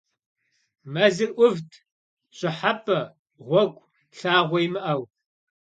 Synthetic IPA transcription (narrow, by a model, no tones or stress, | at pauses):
mɐzɨrʔʷʊvtʰ | ɕʼɪħapʰʼɐ | ʁʷɔkʷʼ | ɬaːʁʷɔjmɨʔɐw